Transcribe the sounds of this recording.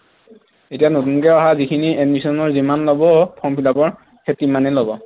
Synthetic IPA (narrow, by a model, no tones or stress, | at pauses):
etijanotunkɛɔɦazikʰiniedmisɔnɔɹzimanlobɔpʰɔmpʰilabɔɹ | ketimanɛlobɔ